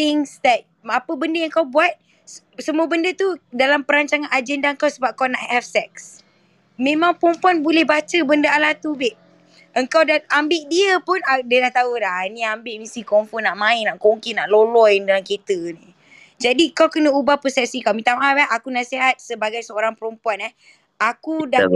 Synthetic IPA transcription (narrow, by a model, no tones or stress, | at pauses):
t̪ɪŋsd̪ɛt̪̚ | apəbəndəjaəŋkawbuat̪̚ | səmuəbəndət̪udalampəɾaɲt͡ʃaŋãnad͡ʒɛndaəŋkawsəbap̚kawnaʔhɛfsɛk̚s | mẽmãŋpɔmpuanbolɛhbat͡ʃəbəndəalaht̪ubɪʔ | ʔəŋkawdaambɪʔdiəpʊnadənaht̪audahnĩambɪʔmisikɔmfɔnaʔmãɪnaʔkoŋkinaʔlolɔjndalamkit̪əni | d͡ʒadikawkənəubahpəsɛk̚sikawmĩt̪amaɛʔakunasiɦat̪̚səbaɡajsəoɾaŋpəɾɔmpuanɛh | akuda